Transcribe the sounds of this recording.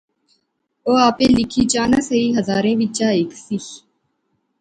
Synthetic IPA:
oːaːpeːlɪkʰiːt͡ʃaːnãːsəiːɦəzaːɾẽːʋɪt͡ʃaːeːksi

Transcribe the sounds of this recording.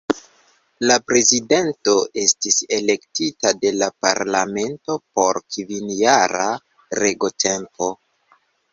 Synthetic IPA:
lapɾe̞zide̞nto̞ʔe̞stise̞le̞ktitade̞lapa̰ɾlame̞nto̞po̞ɾkvinjaɾa̰ | ɾe̞ɡo̞tʰe̞mpo̞

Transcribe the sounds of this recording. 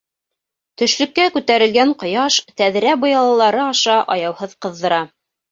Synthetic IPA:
t̪ɵ̆ʃlɵ̆kːækʉt̪æɾɘ̆lɡæɴqŏjɑʃt̪æðɾæbŏjɑlˠɑlˠɑɾɤɑʃɑʔɑjɑwhɤðqɤ̆ðːɤ̆ɾɑ

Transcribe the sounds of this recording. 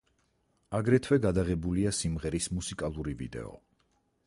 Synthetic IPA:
aɡɾɛt̪ʰwɛɡad̪aʁɛbuliasimʁɛɾismusikʼalˠuɾivḭd̪ɛ̰ɔ̰

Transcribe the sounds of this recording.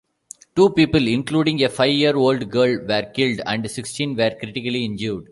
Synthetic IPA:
ʈuːpiːpəlɪ̃nkluːɖɪ̃ŋɡefaɪʋjiəɾoːlɖɡəːlʋɛɾkɪlɖæ̰̃ɳɖsɪksʈĩːnʋɛːɾkɾɪʈɪkəliɪ̃nd͡ʒjuːɖ

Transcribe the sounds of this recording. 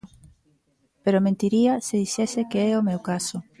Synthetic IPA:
peɾomẽnt̪iɾiasɪðisɛsɪkeɛomewkaso

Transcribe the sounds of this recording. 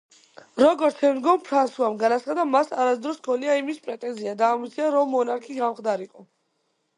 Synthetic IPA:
ɾɔɡɔɾt̪sʰɛmd̪ɡɔmpʰɾansuamɡanat̪sχad̪amasaɾasd̪ɾɔskʰɔniaimispʼɾɛt̪ʼɛnziad̪aːmit̪sʰiaɾɔmːɔnaɾkʰiɡamχd̪aɾiqʼɔ

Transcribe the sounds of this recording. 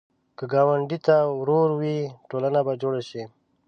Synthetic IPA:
kəɡaːwəɳɖit̪awɾoɾwiʈolanabad͡ʒoːɽaʃi

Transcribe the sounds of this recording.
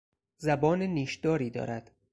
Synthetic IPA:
zæbɒːneniːʃd̪̥ɒːɾiːd̪ɒ̰ːɾæd̪̥

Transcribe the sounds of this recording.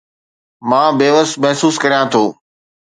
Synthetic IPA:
mãːbeːʋəsmɛɦsuːskɐɾijãt̪ʰoː

